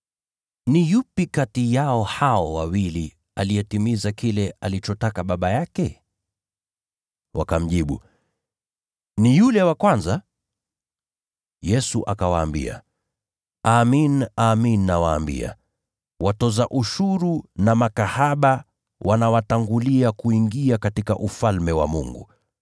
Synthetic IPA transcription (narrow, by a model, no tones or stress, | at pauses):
nijupikatijaɔhaɔwawili | alijɛtimizakilɛalit͡ʃɔtakaɓaɓajakɛ | wa̰kam̩ʄiɓṵ | nijulɛwakwanza | jɛsuʔakawaːmbḭa̰ | aːminaːminiːawaːmbḭa̰ | watɔzaʔuʃuɾunamakahaɓa | wʔanawataŋɡuliakuiŋɡiakatikaʔufalmɛwa̰mṵŋɡṵ